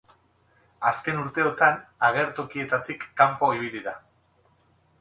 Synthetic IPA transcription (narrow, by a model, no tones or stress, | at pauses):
aske̞nuɾt̪e̞o̞t̪anaɣ̞e̞ɾt̪o̞kie̞t̪at̪ikːampo̞iβ̞iliða